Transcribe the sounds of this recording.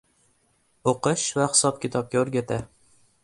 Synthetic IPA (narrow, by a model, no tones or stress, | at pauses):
oqɨʃvaχɪ̥sɒp̚kʲʰɪt̪ʰɒp̚kʲaoɾɡʲat̪ʰa